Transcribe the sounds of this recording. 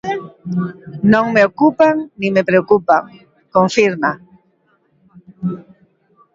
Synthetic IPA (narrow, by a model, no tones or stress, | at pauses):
nõŋmeokupaŋnĩmepɾeokupaŋ | koɱfiɾma